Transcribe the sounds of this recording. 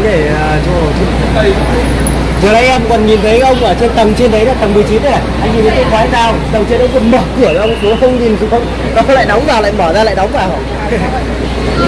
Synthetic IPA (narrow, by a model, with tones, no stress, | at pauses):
ɗe˧˩ə˨˩t͡ɕɔ˧˨˩t͡ɕi˧˨˦ | zəː˨˩laː˧ŋʔɛ˧mkɔ˨˩nɲi˨˩nt̪ʰə˨˦jə˧wŋ͡mʔəː˧˩t͡ɕe˧nt̪ə˨˩mt͡ɕe˧nɗə˨˦jnː˧˩t̪ə˨˩mmɨ˨˩əjt͡ɕi˨˦nə˨˦a˨˩˨ʔa˧jŋɲi˨˩ə˨˦jk̪ə˧˦xaː˨˦zaː˧˩wt̪ə˨˩ŋ͡mt͡ɕe˧nɗə˨˦jkɔ˧˩məː˨˩kɨ˧˩əɔ˨˧wm˨˩so˨˦xə˧wŋ͡mɲi˨˩nzu˨˩xə˧wŋ͡m | nɔ˨˦kə˨˦la̰ː˧˨jɗə˨˦wŋ͡mvaː˨˩wla̰ː˧˨jmɔː˧˩zaː˧la̰ː˧˨jɗə˨˦wŋ͡mvaː˨˩w